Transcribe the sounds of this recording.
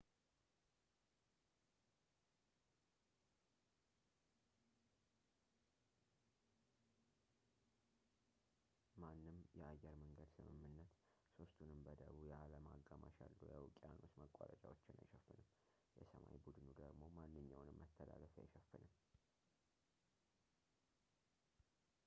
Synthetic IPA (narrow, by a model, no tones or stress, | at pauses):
manːɨmjɛajːɛɾməŋɡəd̪sɨmɨmːɨnːət̪ | so̞st̪ʰunɨmbəd̪əβujɛaləmaɡːamaʃalːujawkʼijanosməkʼːaɾə̰t͡ʃʼawot͡ʃːɪnajʃɛfːɨnɨm | jɛsəma̰jbud̪ɨnud̪əɡmo̞manːɨɲːawnɨmːət̪ʰːəlaləfja̰jʃɛfːɨnɨm